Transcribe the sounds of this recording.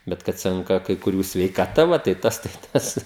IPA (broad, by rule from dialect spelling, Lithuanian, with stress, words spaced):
ˈbʲɛt kɐt ˈsʲɛŋkɐ kɐɪ kʊˈrʲuː sʲʋʲɛɪkɐˈtɐ ˈʋɐ tɐɪ ˈtɐs tɐɪ ˈtɐs